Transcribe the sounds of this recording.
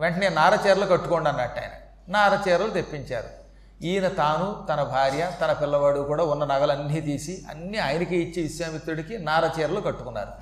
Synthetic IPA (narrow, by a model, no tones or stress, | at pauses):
ʋeɳʈɐneːnaːɾɐt͡ʃɛːɾɐlukɐʈːukoɳɖɐnːɐʈːɐ̰ːjɐnɐ̰ | naːɾɐt͡ʃɛːɾɐlut̪epːiɲt͡ʃa̰ːɾṵ | iːjnɐt̪aːnut̪ɐnɐbʱaːɾjɐt̪ɐnɐpilːɐʋaːɽukuːɽaːunːɐnɐɡɐlɐnːit̪iːsiɐ̰nːiaːjɐnikeit͡ʃːiiʃjɐːmit̪ːɾuɽikinaːɾɐt͡ʃɛːɾɐlukɐʈːu̥kunːa̰ːɾu